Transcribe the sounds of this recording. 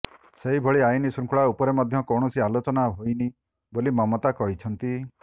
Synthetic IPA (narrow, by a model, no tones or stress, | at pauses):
seɦibʱɔɭiajnisuŋkʰuɭaupɔɾemɔd̪ʱjɔkɔɳ̃ɔsialot͡ʃɔnaɦojni | bolimɔmɔt̪akɔɦit͡ʃʰɔnt̪i